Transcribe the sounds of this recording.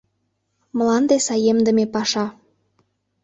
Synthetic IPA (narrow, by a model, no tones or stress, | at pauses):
məlɑnd̪esɑjemd̪ə̆mepɑʃɑ